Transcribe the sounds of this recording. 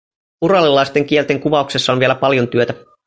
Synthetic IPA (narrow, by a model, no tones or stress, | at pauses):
urɑlːilɑjst̪e̞ŋk̟ie̞lt̪e̞ŋkuʋɑukse̞sːɑonʋielæpɑljo̞nt̪yøt̪æ